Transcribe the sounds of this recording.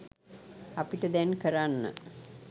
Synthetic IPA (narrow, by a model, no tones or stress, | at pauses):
apiʈəd̪ɛnkəɾanːə̰